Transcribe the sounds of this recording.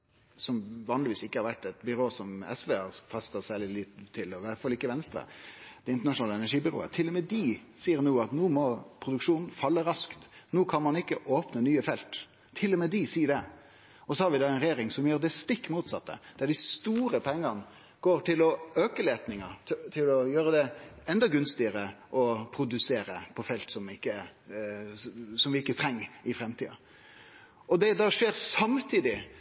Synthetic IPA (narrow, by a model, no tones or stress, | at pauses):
sɔmʋɑːnlɪʋiːsɪkːəhɑɾʋæʈːɛt̪bʏɾoːsɔmɛ̰sʋeːhɑɾfɑst̪əsæːlɪlɪt̪ʰːɪlɔɪʋæt̪fɑlɪkːəʋɛnst̪ɾə̰d̪̥ɛɪnt̪ənɑʂʊnɑːləɛnæʂiːbʏɾo̰ːə̰t̪ʰɪlːɔmɛd̪ɪsiːəɾnuːɑt̪nuːmɔpʰɾʊd̪ʉkʂuːnn̩fɑlːəɾɑskt̪nuːkʰɑnmɑnɪkːəʔoːpnənyːəfɛlt̪ʰː | ɪlːɔmɛd̪ɪsiːəɖɛ | ɔsɔhɑɾʋɪd̪ɑːɛɪnɾɛjeːɾɪŋsɔmjøːɾd̪ɛst̪ɪkːmuːt̪sɑ̰t̪ːə̰d̪̥æɖ̪ɪst̪uːɾəpʰɛŋːən | ɡ̥oːɾʈ̪ʰɪlɔøːkəleːt̪nɪŋət̪ʰɪlɔjøːɾəd̪ɛɛnd̪ɑɡʉnst̪ɪəɾəʔɔpʰɾʊd̪ʉseːɾə̰pʰɔfɛlt̪sɔmɪkːə | sɔmʋɪɪkːət̪ʰɾɛŋːɪfɾɛmt̪ʰḭːɑ̰ | ɔd̪ɛd̪ɑʂeːɾsɑmt̪ʰiːd̪ɪ